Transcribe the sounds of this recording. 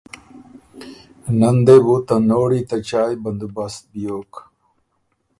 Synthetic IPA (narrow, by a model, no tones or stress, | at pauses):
nɐnd̪ebut̪ɐnoːɽit̪ɐt͡ɕaːjbɐnd̪ubɐst̪̚bijoːk